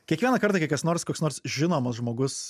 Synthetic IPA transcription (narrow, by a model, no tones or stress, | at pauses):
kʲiɛkʋʲiɛnɐkɐɾt̪ɑkʲɛkɐsnoːɾskoːksnoːɾsʒʲɪnoːmɐsʒmoːɡʊs